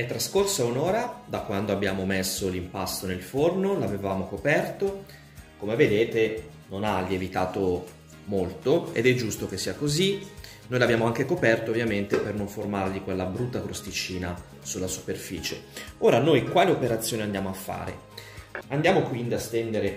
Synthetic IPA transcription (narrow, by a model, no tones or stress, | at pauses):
ɛt̪ːɾaskorsaunoːɾad̪akːwand̪oabːjaːmomesːolimpasːonelfornolavevaːmokopɛrt̪o | komeved̪eːt̪e | nonaʎːievit̪aːt̪o | molt̪oḛd̪ɛd͡ʒːust̪ok̟esːiːakozi | nojlabjaːmoaŋk̟ekopɛrt̪oːvjament̪epernoɱformarʎikwelːabɾut̪ːakɾost̪it͡ʃiːna | sulːasu̥perfiːt͡ʃḛoːɾanojkwaːleopeɾat̪sjoːniand̪jaːmoafːa̰ːɾḛ | and̪jaːmokwind̪iast̪ɛnd̪eɾe